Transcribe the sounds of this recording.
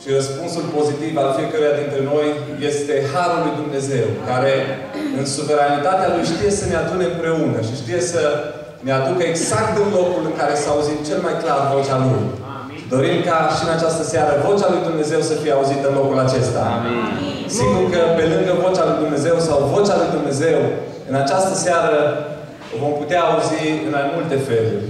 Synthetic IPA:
ʃiɾəspunsulpo̞zit̪ivalfie̞kəɾujad̪int̪ɾe̞no̞j | je̞st̪e̞haɾulujd̪umne̞ze̞wkaɾe̞ | ɨnsuve̞ɾanit̪at̪ealujʃt̪ije̞sənead̪uneɨmpɾe̞unəʃiʃt̪ije̞sə | nead̪ukəeɡzakt̪ɨnlo̞kulɨŋkaɾe̞saːuzit̪̚t͡ʃe̞lmajklarvo̞t͡ʃaluj | d̪o̞ɾimkaʃiɨnat͡ʃast̪əsaɾəvo̞t͡ʃalujd̪umne̞ze̞wsəfijeauzit̪əɨnlo̞kulat͡ʃe̞st̪a̰ | siɡurkəpe̞lɨŋɡəvo̞t͡ʃalujd̪umne̞ze̞wsawvo̞t͡ʃalujd̪umne̞ze̞w | ɨnat͡ʃast̪əsaɾə | vo̞mput̪eaːuziɨnamult̪e̞fe̞lṵrʲ

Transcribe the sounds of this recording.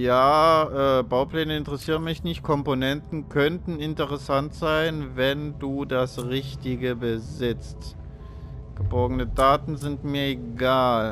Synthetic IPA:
jaːʔɛːbaʊpl̥ɛːnəɪntəʁɛsiːʁ̞ənmɪçnɪçt̚kʰɔmponɛntn̩kʰœntn̩ɪntəʁɛsantz̥aɪnvɛnduːdasʁɪçtɪɡəbəzɪt͡st | ɡ̥əbɔɐɡənədaːtn̩zɪntmiːɐeɡaːl

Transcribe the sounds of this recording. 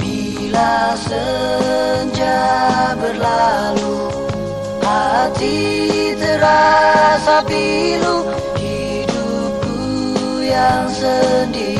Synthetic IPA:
bi | lasə | ɲd͡ʒabərlalu | hat̪it̪əɾasapiɾu | hi | du | p̚u | jaŋsəndi

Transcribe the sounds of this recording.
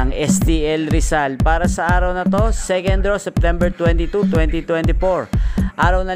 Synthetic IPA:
ɐŋʔɛst̪iʔɛlɾɪsalpaːɾɐsɐʔaːɾɐwnɐt̪o̞sɛkɛnd̪ɾosɛp̚t̪ɛmbɛɹt̪wɛnt̪it̪ut̪wɛnt̪it̪wɛnt̪ɪfoɹʔaːɾɐwnɐ

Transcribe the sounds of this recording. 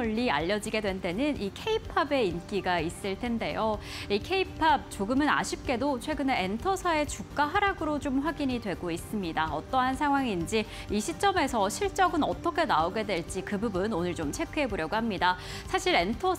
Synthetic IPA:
ʌʎːia̰ʎːʌd͡ʑiɡe̞dwe̞nt͈e̞nɯnʔikʰe̞ipʰabe̞ink͈iɡais͈ɯɭtʰe̞nde̞joikʰe̞ipʰab̚t͡ɕoɡɯmɯna̰ɕʰip̚k͈e̞dot͡ɕʰwe̞ɡɯne̞entʰʌsʰae̞t͡ɕuk̚k͈aɦaɾaɡɯɾot͡ɕomɸwaɡiɲidwe̞ɡois͈ɯmɲidaʌ̰t͈ʌɦansʰaŋɦwaŋind͡ʑi | iɕʰit͡ɕ͈ʌme̞sʰʌɕʰiɭt͡ɕ͈ʌɡɯnʌt͈ʌkʰe̞naoɡe̞dwe̞ɭt͡ɕ͈ikɯbubunonɯɭt͡ɕomt͡ɕʰe̞kʰɯɦe̞boɾjʌɡohamɲida | sʰaɕʰiɾe̞ntʰʌ

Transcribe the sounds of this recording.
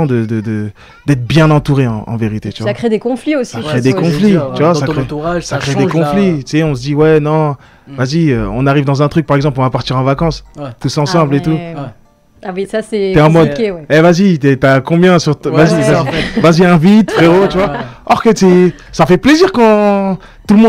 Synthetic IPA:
ɔ̃d̪əd̪əd̪ə | d̪ɛt̪χbjɛ̃nɑ̃t̪uʁeɑ̰̃ɑ̰̃veʁit̪et̪yvaakχed̪ekɔ̃fliossikχed̪ekɔ̃flit̪yvwasakeʁsakχed̪ekɔ̃flit̪y̥sɛɔ̃s̬əd̪iwɛnɔ̃ | vaziøɔ̰̃naʁivd̪ɑ̃zɛ̃t̪χyk̚paʁɛɡzɑ̃plɔ̃vapaʁt̪iʁɑ̃vakɑ̃st̪usɑ̃sɑ̃blet̪u | wiasɛɛɑ̃mɔd̪wɛɛvazit̪ɛt̪yakɔ̃bjɛ̃syʁt̪vazivazivaziɛ̃vit̪fχeʁot̪yvaɔʁkət̪ɛ | safɛpleziʁkɑ̃ | t̪ulmɔ̃

